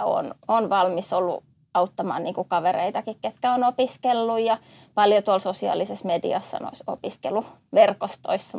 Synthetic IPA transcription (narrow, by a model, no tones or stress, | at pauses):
o̰nonʋɑlmisolːṵ | ɑut̪ːɑmɑ̰ːnniːŋkukɑʋerḛit̪ɑkikket̪kæonopiskelːujjɑ | pɑljot̪uɑlsosiɑ̰ːlːisesmedḭɑssɑ̰no̰iso̰piskḛlu | ʋerkost̪o̰isːɑ